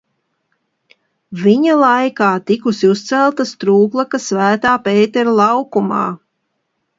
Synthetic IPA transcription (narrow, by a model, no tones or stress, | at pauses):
viɲalˠajkaːt̪ikusiust̪sælˠt̪ast̪ɾuːklˠakasvæːt̪aːpeːt̪ɛɾlˠɑwkuma̰ː